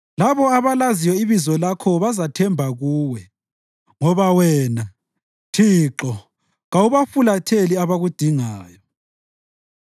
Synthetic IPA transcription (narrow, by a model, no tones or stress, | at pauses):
laβɔaβalazijwɔiβizɔlakʰɔβazatʰɛmbʱaɣuːwɛ | ŋɔβawɛːna | tʰiǁɔ | ɣawuβafulatʰeliaβaɣud̥ʱiŋaːjɔ